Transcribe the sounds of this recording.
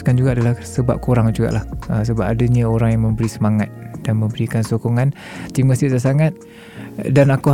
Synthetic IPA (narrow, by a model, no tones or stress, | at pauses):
kand͡ʒuɡaːdalahsəba̰p̚koɾaŋd͡ʒuɡa̰ʔlahəs̬əbap̚adəɲãoɾaŋjaŋmə̃mbəɾisəmaŋat̪̚d̥anmə̃mbəɾikansokɔŋan | t̪iməsisasaŋat̪̚ | danaku